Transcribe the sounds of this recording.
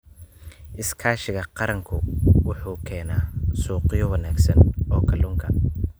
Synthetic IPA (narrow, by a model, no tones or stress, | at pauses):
ʔɪskʰaːʃɪɣɐqɑɾɐŋkʰʊwʊħuːkʰɛːnaːsuːqɪjɔwɐnaːɡsɐnɔːkʰɐlʊŋkʰɐ